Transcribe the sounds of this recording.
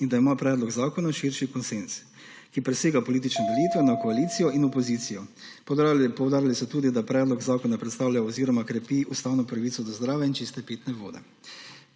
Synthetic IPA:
ind̪aimapɾɛːd̪lɔɡzaːkɔnaʃiɾʃikɔnsens | kipɾɛseːɡapɔliːt̪̬it͡ʃnɛd̪ɛliːt̪ʋɛnakɔaliːt̪sijɔinɔpɔziːt̪sijɔ | pɔwd̪aːɾjalisɔt̪uːd̪id̪apɾɛːd̪lɔɡzaːkɔnapɾɛt̪st̪aːwlajaɔziːɾɔmakɾɛpiust̪aːwnɔpɾaʋiːt̪sɔd̪ɔzd̪ɾaːʋjɛint͡ʃist̪ɛpeːt̪nɛʋo̰ːd̪ɛ̰

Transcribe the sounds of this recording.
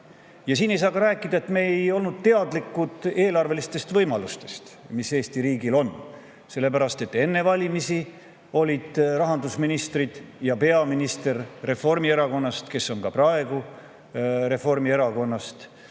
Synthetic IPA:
jɑsiːne̞jsɑːkɑɾæːkˑːid̪ɑe̞t̪me̞ejo̞lnud̪̥̚t̪e̞ɑd̪likːˑud̪̥e̞ːlɑrve̞list̪e̞st̪vɤjmɑlust̪e̞̥st̪mise̞ːst̪iɾiːɡilo̞n | se̞lːe̞pæɾɑst̪e̞t̪ːe̞nːe̞vɑlʲimisi | o̞lʲid̪̥rɑɦɑnd̪usminist̪rid̪̥jɑpe̞ɑminist̪e̞rːe̞fo̞rmie̞ɾɑko̞nːɑst̪ke̞sːo̞ŋkɑprɑe̞ɡ̥u | re̞fo̞rmie̞ɾɑko̞nːɑst̪

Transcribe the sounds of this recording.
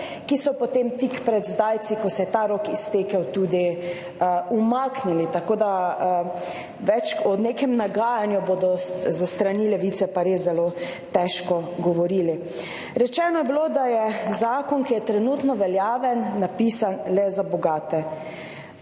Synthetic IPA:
kisɔpot̪emt̪ikpɾɛd̪zd̪aːj̪sikɔsɛjɛt̪aɾoːkist̪eːkɛwt̪uːd̪i | umaːknilit̪akoːd̪a | ʋɛt͡ʃɔneːkɛmnaɡaːjanjuboːd̪ɔzast̪ɾanilɛʋiːt̪sɛpaɾezːɛloː | t̪ɛʃkɔɡɔʋɔɾiːli | ɾɛt͡ʃɛːnɔjɛbilod̪ajɛzaːkɔnkijɛt̪ɾɛnut̪nɔʋɛljaːʋɛnːapiːsanlɛzabɔɡaːt̪ɛ

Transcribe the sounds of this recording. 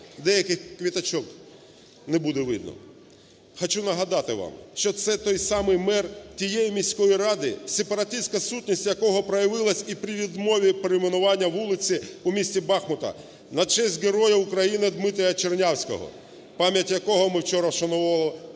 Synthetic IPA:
d̪ɛjɐkɪxkʋʲit̪ɐt͡ʃɔk | nebud̪ɛʋɪd̪̚nɔ̰ | xɔt͡ʃunɐɦɐd̪ɑt̪ɪʋɑ̰mʃt͡ʃɔt̪sɛt̪ɔjsɑmɪjmɛrtʲijɛjimʲisʲkɔjiɾɑd̪ɪsepɐɾɐt̪ʲɪsʲkɐsutʲnʲisʲtʲjɐkɔɦɔpɾɐjɐʋɪlˠɐsʲipɾʲiʋʲid̪mɔʋʲipeɾeɪmɪnʊʋɑnʲːɐʋulˠɪt͡sʲiʊmʲisʲtʲibɑxmɔt̪ɐ̰ | nɐt͡ʃɛzʲtʲɡeɾɔjɐʊkɾɐjinɪd̪mɪt̪ɐjɐt͡ʃernʲawsʲkɔ̰ɦɔ̰ | pɑmʲjɐtʲjɐkɔɦɔmɪwt͡ʃɔɾɐʃɐnʊalˠ

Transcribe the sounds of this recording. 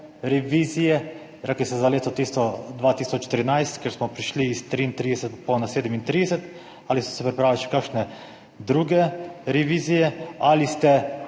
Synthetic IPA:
ɾɛʋiːzijɛ | ɾɛklisɛzaleːt̪ot̪ist̪od̪ʋaːt̪isot͡ʃːe̥t̪əɾinajst̪kʲjeɾsmɔpɾiʃliːst̪ɾint̪ɾiːd̪esɛt̪ponaseːd̪emint̪ɾiːd̪esɛt̪ | aliso̥sɛpɾipɾaːʋilʃɛ̥kakʃne | d̪ɾuɡɛɾeʋiːzijɛalist̪ɛ

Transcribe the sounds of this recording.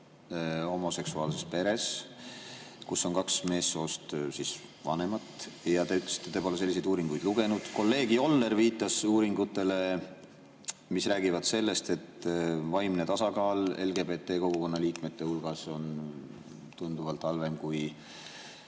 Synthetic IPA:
ho̞mo̞se̞ksuɑːlse̞spe̞ɾe̞s | kusːo̞nkɑksme̞ːsːo̞ːst̪sis | vɑ̰ne̞mɑt̪jɑt̪ekst̪et̪epolese̞lːise̞jd̪uːɾiŋɡujd̪̥luɡe̞nud̪̥ko̞lːe̞ːɡ̥io̞lːe̞ɾviːt̪ːˑɑsuːɾiŋɡut̪ˑːe̞le̞ | misræːɡivɑd̪̥se̞lːe̞st̪e̞t̪vɑjmne̞t̪ɑsɑkɑːle̞̰lɡe̞be̞t̪ːˑe̞ːko̞ɡ̥uko̞nːɑliːkme̞t̪ːe̞hulɡ̥ɑso̞n | t̪und̪̥uvɑlt̪ˑhɑlve̞mkuj

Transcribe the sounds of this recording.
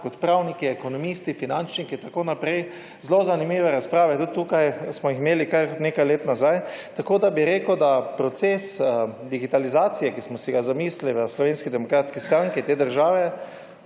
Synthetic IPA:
kɔt̪pɾawnikiɛkonɔmist̪ifinant͡ʃnikit̪akoːnapɾɛj | zlozanimiːʋɛɾaspɾaːʋɛt̪ut̪ːukajsmɔjiximeːlikaɾneːkajleːt̪nazajt̪akoːd̪abiɾeːkəwd̪apɾɔt̪seːsd̪iɡit̪alizaːt̪sijɛkismɔsiɡazamiːsiliʋəslɔʋeːnskid̪ɛmɔkɾaːt̪skist̪ɾãŋkɛt̪eːd̪əɾʒaːʋɛ

